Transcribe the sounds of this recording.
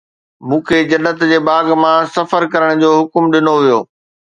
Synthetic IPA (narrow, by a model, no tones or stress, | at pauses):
mũːkʰeːd͡ʑɐnːət̪d͡ʑeːbaːɡmãsɐfəɾkɐɾəɽ̃d͡ʑoːɦʊkʊmɗɪnoʋijoː